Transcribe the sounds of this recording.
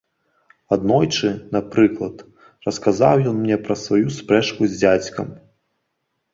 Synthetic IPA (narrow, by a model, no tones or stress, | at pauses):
ad̪nɔjt͡ʂɨnapɾɨklˠɐt̪ | rɐskaza̰wjɔnmnʲɛpɾɐsvajuspɾɛt͡ʂkuzʲd͡zʲat͡sʲkɐ̰m